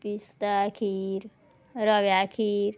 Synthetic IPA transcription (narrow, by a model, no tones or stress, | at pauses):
pist̪akʰiɾ | ɾɔʋjakʰiɾ